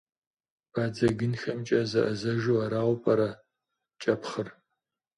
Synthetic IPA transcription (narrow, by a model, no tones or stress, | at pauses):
b̥aːd͡zɐɡɨnxɐmt͡ʃʼɐzɐʔɐzɐʒuwɐɾaːʁʷpʼɐɾɐ | t͡ʃʼɐpχər